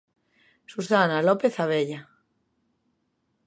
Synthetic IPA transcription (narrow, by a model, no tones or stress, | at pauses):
susanalope̞θaβeʎa